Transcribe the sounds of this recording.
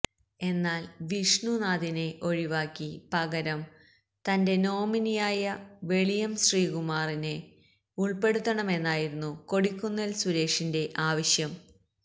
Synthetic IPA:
e̞nːaːlʋiʂɳunaːðine̞ʔo̞ɻiʋaːkʲːipɐɣɐɾɐm | t̪ɐnde̞no̞ːminijaːjɐʋe̞ɭijɐmɕriːɣumaːrine | uɭpe̞ɽut̪ːɐɳɐme̞nːaːjiɾunːuko̞ɽikʲːunːɐlsuɾe̞ːkʂinde̞ʔaːʋɐɕjɐm

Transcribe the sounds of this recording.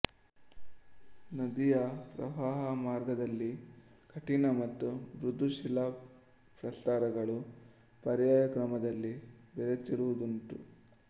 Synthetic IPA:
nɐd̪ijɐpɾɐ̰ʋaːɦɐmaːɾɡɐd̪ɐlːi | kʰɐʈinɐmɐt̪ːubɾud̪ʱːuʃilɐ | pɾɐst̪aːɾɐɡɐɭu | pɐɾjaːjɐkɾɐmɐd̪ɐlːibɛɾet͡ʃiɾuʋud̪unt̪u

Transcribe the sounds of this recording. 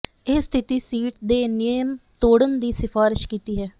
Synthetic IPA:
ɪsːt̪ʰɪt̪iːsiːʈd̪eːnɪjəmt̪oːɽənd̪iːsɪfʰaːɾɪʃkiːt̪iːɦɛː

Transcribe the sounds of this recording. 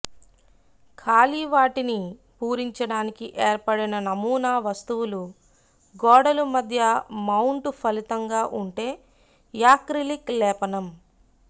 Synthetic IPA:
kʰaːliʋaːʈini | puːɾiɲt͡ʃɐɽaːnikiʔeːɾpɐɽinɐnɐmuːnaːʋɐst̪uwulu | ɡɔːɽɐlumɐd̪ʱjɐmɐwɳʈpʰɐlit̪ɐŋɡaːʔuɳʈe̞ː | jaːkɾiliklɛːpɐnɐm

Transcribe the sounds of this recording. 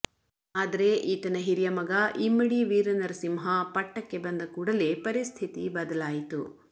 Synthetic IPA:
aːd̪ɐɾe̞ʔiːt̪ɐnɐɦiɾijɐmɐɡɐʔimːɐɽiʋiːɾɐnɐɾsimɦɐpɐʈːɐkːe̞bɐnd̪ɐkuːɽɐlepɐɾist̪ʰit̪ibɐd̪ɐlaːjit̪u

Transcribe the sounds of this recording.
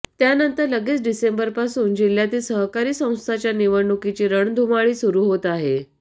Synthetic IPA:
t̪janənt̪əɾləɡet͡sɖisembəɾpasuːnd͡ʑil̤jat̪iːlsəɦkaɾiːsə̃w̃st̪ʰat͡ɕjaniʋəɾɳukit͡ɕiːɾəɳd̪ʱumaɭiːsuɾuːɦot̪aɦe

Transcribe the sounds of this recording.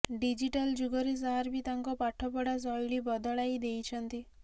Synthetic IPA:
ɖid͡ʒiʈald͡ʒuɡɔɾis̬aɦaɾbit̪aŋkɔpaʈʰɔpɔɽas̬ɔjɭibɔd̪ɔɭajd̪ejt͡ʃʰɔnt̪i

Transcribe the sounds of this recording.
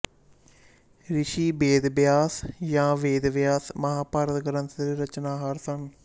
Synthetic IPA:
ɾɪʃiːbeːd̪bjaːsjãːʋeːd̪ʋjaːsməɦaːpaːɾət̪ɡəɾənt̪əɾɾət͡ʃnaːɦaːɾsəŋ

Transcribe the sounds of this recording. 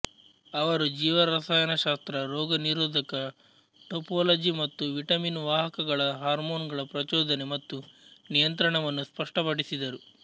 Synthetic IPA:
ɐʋɐɾud͡ʒiːʋɐɾɐsaːjɐnɐʃaːst̪ɾɐɾoːɡɐniɾoːd̪ʱɐkɐ | ʈopoːlɐd͡ʒimɐt̪ːuʋiʈɐminʋaːɦɐkɐɡɐɭɐɦaːɾmoːnɡɐɭɐpɾɐt͡ʃoːd̪ɐnemɐt̪ːunijɐnt̪ɾɐɳɐʋɐnːuspɐʂʈɐpɐɽisid̪ɐɾu

